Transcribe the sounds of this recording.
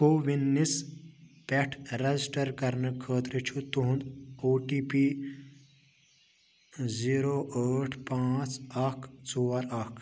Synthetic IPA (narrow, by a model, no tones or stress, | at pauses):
koːʋinːis | pɛʈʰɾɐd͡zisʈɐɾkɐɾnəkʰəːt̪ɾət͡ʃʰut̪uɦũnd̪oːʈiːpi | ziːɾoːʔəːʈʰpãːt͡sakʰt͡sɔːɾakʰ